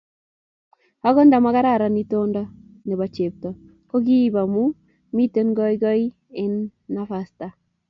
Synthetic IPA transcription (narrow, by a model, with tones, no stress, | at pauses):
ha˦ɡɔ˦nda˨ma˦ka˦ɾa˦˨ɾa˨ni˦to˦ndɔ˦ | ne˨ba˨t͡ʃe˨p̚tɔ˨ | ko˦ɡi˦ba˨mu˦ | mi˦te˦nɡɔ˦i˦ɡɔ˦i˦ | ɪ˦nːa˦fa˨sta˨